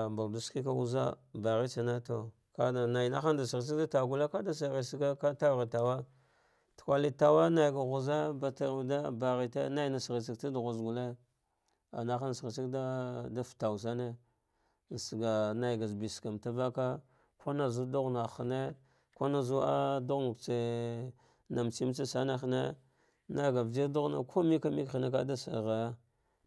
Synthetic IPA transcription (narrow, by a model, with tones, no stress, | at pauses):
mba˨ldu˦ski˦ka˦u˦za̰˦ba˨ɣi˦t͡ʃa˨na˦to˨ | ka˦da˨na˨jna˦xa˦nda˨si˨ɣs̬i˦kda˦ta˨ɡu˦la˦ka˦da˦sa˨ɣi˨si˦ɡa˦ka˦ta˦vi˨ta˨wa˦ | tkʷa˦li˦ta˨wa˦na˨jɡa˨ɣu˨za˦ba˨ta˨da˦ba˨ɣi˨tḛ˦na˦jna˨sɣi˨si˦kta˦da˨ɣu˨zɡu˨le˦ | a̰˨na˦xa˦n˨sɣi˨si˦kda˦da˦fta˨wu˨sa˦ne˦ | n˨sɡa˨na˨jɡa˨zbi˨ska˨mta˦va˦ka˦ | kʰo˦na˨zu˦du˦ɣna˨xa˨ne˦ | ko˦na˨zu˦a˦du˦ɣnu˨kt͡se˨ | na˨mt͡ʃi˦m˦t͡sa˦sa˦na˦xne˦ | na˦jɡa˨vi˦ɾdu˦ɣna̰˨kʰo˦mi˦ka˦mi˦kxi˨ne˦ka˦da˦sa̰˨ɣa˨ja˦